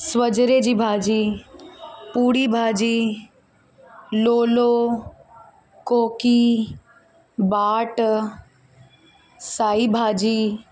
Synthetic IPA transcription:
sʋəd͡ʒɾed͡ʒibʱaːd͡ʒi | puːɽibʱaːd͡ʒiː | loːloː | koːki | baːʈ | saːibʱaːd͡ʒiː

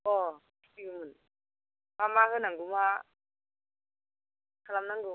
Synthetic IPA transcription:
ɔ | siɡɯmɯn | mamaɦɯnaŋɡuma | kʰalamnaŋɡu

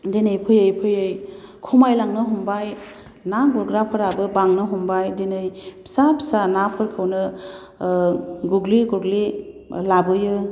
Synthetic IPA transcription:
denɯjpʰɯjɯjpʰɯjɯjkʰumajlaŋnɯɦumbaj | naɡuɾɡɾapʰɯɾabɯbaŋnɯɦumbajdenɯjpʰi̥sapʰi̥sanapʰɯɾkʰɯwnɯ | ɡuɡliɡuɡlilabɯjɯ

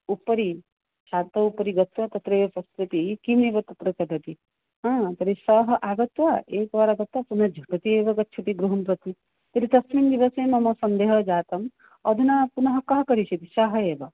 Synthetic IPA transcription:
upːɐɾi | ʃaːt̪ɐupɐɾiɡɐt̪ʋɐt̪ɐt̪ɾeːʋɐpɐst̪ɾɐt̪ikimeːʋɐt̪ɐt̪ɾɐt͡ʃɐɡɐt̪i | ɦãːt̪ɐɾisɐɦɐʔaːɡɐt̪ʋaʔeːkʋaːɾaɡɐt̪ːwɐpunɐd͡ʒʱɐɡɐt̪ieːʋɐɡɐt͡ʃʰuʈiɡɾuɦɐmpɾɐt̪i | t̪ɐɾit̪ɐsmind̪iʋɐseːmɐmɐsɐnd̪eːɦɐd͡ʒaːt̪ɐm | ɐd̪ʱinapunɐɦɐkɐɦɐkɐɾiʃɐt̪isɐɦɐeːʋɐ

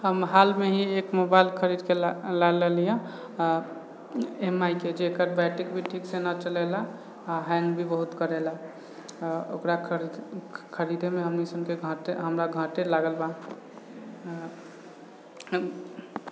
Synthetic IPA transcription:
həmɦalmeɦiekmobaɪlkʰəɾid̪kellalelija | emaiked͡ʒekəɾbaʈikbʱiʈʰiksenat͡ʃəlɛlaː | ɦɛ̃ŋɡbʱibəɦut̪kəɾɛla | o̰kɾaɾkʰəɾid̪ʱemeɦəmnisəb̚keɡʱə̃ʈeɦəmɾaɡʱə̃ʈelaɡəlba

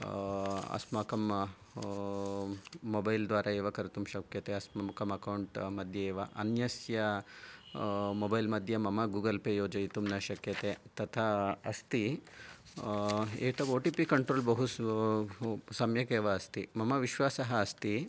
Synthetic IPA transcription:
ɐ̰smaːkɐm | oːbɐjld̪ʋaːɾʔɐeːʋɐkɐɾɐt̪umʃɐkjɐt̪eɐsmɐmkɐmɐkɐwuɳʈmɐd̪ʱjɐeːʋɐʔɐ̰njɐsjɐ | mobɐjlmɐd̪ʱjɐmɐmɐɡuːɡɐlpeːjoːd͡ʒɐjit̪umnɐʃɐkjɐt̪et̪ɐt̪ʰaɐst̪i | ḛːt̪ɐoːʈiːpikɐɳʈɾoːlbɐɦu | sɐmjɐkeːʋɐːst̪imɐmɐʋiʃʋaːsɐɦɐːst̪i

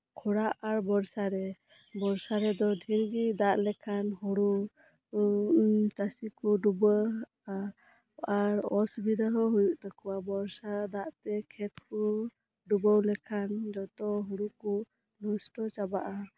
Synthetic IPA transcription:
kʰɔɽaʔaɾbɔɾsaɾɛ | bɔɾsaɾɛd̪ɔɖʱiɾɡid̪aʔlɛkʰanɦuɽu | t͡ʃasikuɖubə | a | aɾɔsbid̪əɦɔɦujuʔt̪akuwabɔɾsad̪aʔt̪ɛkʰɛt̪̚huɾu | ɖubəwlɛkʰand͡ʒɔt̪ɔɦuɽuku | nɔsʈɔt͡ʃabaʔa

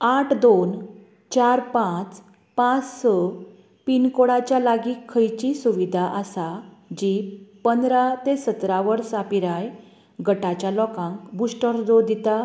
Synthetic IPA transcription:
aʈʰd̪on | t͡ɕaɾpãt͡s | pãt͡ssə | pinkoɽat͡ɕjalaɡiːkʰːəjt͡ɕisuʋid̪ʱaʔəsad͡ʑipənd̪ɾat̪esət̪ɾaʋəɾsapiɾaj | ɡəʈat͡ɕjalɔkãŋkbusʈəɾd͡zod̪it̪a

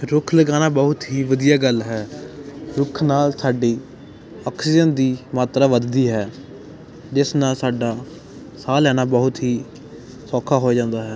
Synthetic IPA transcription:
ɾʊkʰləɡaːnaːbəɦʊt̪ɦiːʋəd̪ijaːɡəlɦɛː | ɾʊkʰnaːlsaːɖiː | ɔːksɪd͡ʒənd̪iːmaːt̪ɾaːʋəd̪d̪iːɦɛː | d͡ʒɪsnaːlsaːɖaː | saːlɛːnaːbəɦʊt̪ɦiː | sɔːkʰaːɦoːed͡ʒãːnd̪aːɦɛː

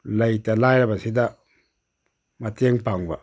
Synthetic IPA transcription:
laitalajlabasida | mateŋpaŋba̰

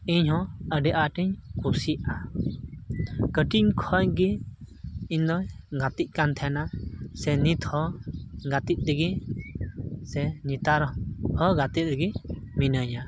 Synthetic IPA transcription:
iɲhɔ̃əɖɛʔaʈiɲkusiʔa | kəʈiɲkʰɔɲɡi | iɲd̪ɔɲɡat̪ic̚ˀkant̪ʰɛnasɛnit̪hɔ̃ɡat̪it̪̚ˀd̪əɡi | sɛɲit̪aɾhɔɡat̪it̪̚ɾəɡiminəɲa

